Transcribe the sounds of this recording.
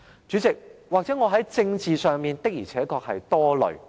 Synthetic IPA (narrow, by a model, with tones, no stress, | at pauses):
t͡ʃyː˨˥t͡sɪ˨k̚waː˨k̚t͡sɛ˨˥ŋɔː˨˧ɦɐ˨˥jt͡sɪ˧ŋt͡siː˨sœː˨˩ŋmiː˨˩nt̪ɪ˥k̚jiː˨˩t͡sʰɛː˨˥kɔː˧k̚hɐ̰˨jt̪ɔː˥lɵ̰˨˩ɥ